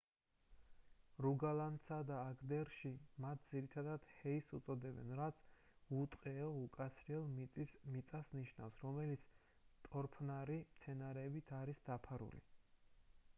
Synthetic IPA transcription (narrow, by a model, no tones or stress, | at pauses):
ɾuɡalant̪sad̪aːɡd̪ɛɾʃimat̪̚ʰd̪ziɾit̪ʰad̪ad̪̥hɛisut̪sʼɔd̪ɛbɛ̰nɾat̪sʰ | ut̪ʼqʼɛɔukʼat̪sʰɾiɛlˠmit̪ʼismit̪sʼasniʃna̰fsɾɔmɛlit̪sʰ | t̪ʼɔɾpʰnaɾimt̪sʰɛnaɾɛːbit̪ʰaɾisd̪apʰaɾṵlḭ